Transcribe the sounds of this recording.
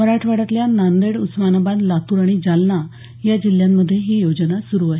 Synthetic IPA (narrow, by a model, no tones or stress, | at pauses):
əɾaʈʰʋaɽat̪ljanand̪eɽusmanəbad̪lat̪uːɾaɽ̃id͡zalna | jad͡ʑiljamːəd̪ʱjeɦiːjod͡ʑənasuɾuːaɦi